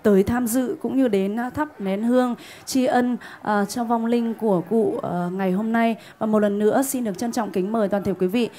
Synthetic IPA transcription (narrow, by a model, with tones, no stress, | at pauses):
t̪əː˨˦jt̪ʰaː˧mzɨ̰˧˨kʊ̰˧˥ŋ͡mɲɨ˧ɗe˨˦nt̪ʰa˦˥p̚nɛ˨˦nhɨ˧əŋ | t͡ɕi˧ʔə˧nʔəː˨˩t͡ɕɔ˧wva˧˩wŋ͡mlï˧ŋ̟ku˧˩əkṵ˧˨˩ŋa˨˩jɦo˧mna˧j | vaː˨˩mo˨˩t̚lə˨˩nːɨ̰˧˥əsi˧nɗɨ˨˩ək̚t͡ɕə˧nt͡ɕɔ̰˧˨wŋ͡mkï˨˦ŋ̟məː˨˩jt̪waː˨˩t̪ʰi˧˩kwi˨˦vḭ˧˨